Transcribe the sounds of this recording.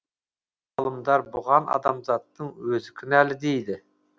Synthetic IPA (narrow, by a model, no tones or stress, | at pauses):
ɑlˠəmd̪ɑɾbʊʁɑnɑ̰d̪ɑmzɑt̪ːəɴwɵzɪkʲʰʏnælɪd̪e̞jd̪ɪ